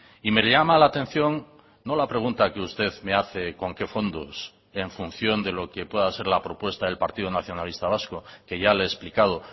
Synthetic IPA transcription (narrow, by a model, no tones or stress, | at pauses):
ime̞lʎamalaːt̪ẽ̞n̟θjo̞ŋ | no̞lapɾe̞ɣ̞unt̪akeust̪e̞ðme̞aθe̞ko̞ŋke̞fo̞nd̪os | e̞ɱfun̟θjo̞nd̪e̞lo̞ke̞pwe̞ðase̞ɾlapɾo̞pwe̞st̪aðe̞lpaɾt̪iðonaθjo̞nalist̪aβ̞askoke̞ʝaleːsplikaðo